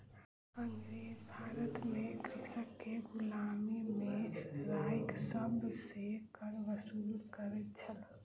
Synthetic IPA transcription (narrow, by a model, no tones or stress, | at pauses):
əŋɾebʱaːɾət̪mẽkɾɪsəkːeɡʊlaːmimẽɾaːɪksəbsekəɾʋəsuːlkəɾət̪̚t͡ʃʰəl